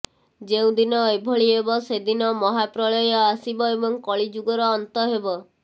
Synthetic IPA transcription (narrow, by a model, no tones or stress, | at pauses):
d͡ʒeũd̪inɔebʱɔɭiɦebɔsed̪inɔmɔɦapɾɔɭɔjɔasibɔebɔŋkɔɭid͡ʒuɡɔɾɔːnt̪ɔɦebɔ